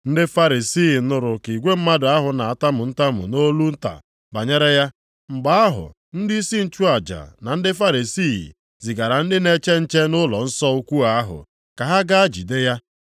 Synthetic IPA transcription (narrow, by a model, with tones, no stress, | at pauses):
n̩˦dɪ˦fa˦ɾi˨si˦˨˦nʊ˨ɾʊ˨ki˨ɡʷe˦m̩˦ma˦dʊ˨˦a˦ɦʊ˨na˨a˨ta˦mʊ˨n̩˦ta˦mʊ̰˨no˦lu˦n̩˦ta̰˨ | ba˨ɲe˦ɾe˦ja˦ | ŋ͡m̩˨ɡ͡ba˦a˦ɦʊ̰˨ | n̩˦dɪ˦i˦si˦n̩˦t͡ʃu˦a˨d͡ʒa̰˨na˨n̩˦dɪ˦fa˦ɾi˨si˦˨ḭ˨ | zi˨ɡa˨ɾa˨n̩˦dɪ˦ne˦t͡ʃe˦n̩˦t͡ʃe˦nʊ˦lɔ˨n̩˦sɔ˦u˦kʷu˦a˨a˦ɦʊ̰˨ | ka˨ɦa˦ɡa˦a˦d͡ʒḭ˨de˦ja˦